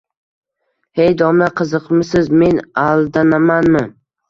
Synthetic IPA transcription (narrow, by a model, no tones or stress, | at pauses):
hejd̪ɒmlaqʰɨzɨqmɪsɪzme̞nalˠd̪anamanmɪ